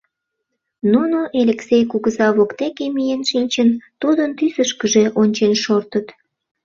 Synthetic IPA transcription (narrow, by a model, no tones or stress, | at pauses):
nunoʔelʲeksejkuɣəzɑβokt̪ekemijenʃinʲt͡ɕənt̪ud̪ənt̪ysəʃkəʒeʔonʲt͡ɕenʃort̪ət̪